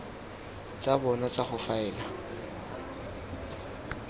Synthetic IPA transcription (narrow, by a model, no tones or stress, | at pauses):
t͡sʼabɔnɔt͡saχʊfaɛːla